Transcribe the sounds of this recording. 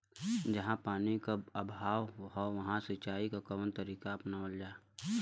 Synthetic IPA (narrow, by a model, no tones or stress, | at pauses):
d͡ʒɐɦãpaːnikaəbʱaːʋɦɔʋɐɦãsɪt͡ʃaːikakəʋənt̪əɾiːkaɐpnaold͡ʒaː